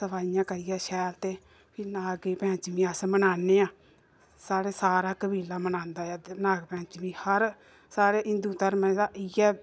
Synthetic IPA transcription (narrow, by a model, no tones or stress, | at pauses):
səbaːɪjãːkəɾijɛːʃɛːlt̪eː | pʰɪnaːɡeːpɛ̃ːt͡ʃʋĩːəsmənaːneːãː | saːɾeːsaːɾaːkəbiːlaːmənãːnd̪aːaːnaːɡpɛ̃ːt͡ʃʋĩːhəɾ | saːɾeːʔɪnd̪uːt̪əɾmɛ̃ːd̪aːɪɛː